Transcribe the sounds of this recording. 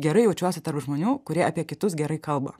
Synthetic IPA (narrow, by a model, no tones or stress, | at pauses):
ɡʲɛɾɐɪjɛʊt͡ʃʲuɔsʲɪt̪ɐɾpʒmoːnʲuːkʊɾʲiɛɐpʲiɛkʲɪt̪ʊsɡʲɛɾɐɪkɐlˠbɐ̰